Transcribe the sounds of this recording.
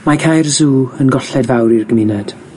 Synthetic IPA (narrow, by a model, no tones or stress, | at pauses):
makʰajrzuːənɡɔɬɛdvawɾirɡəmɪnɛd̥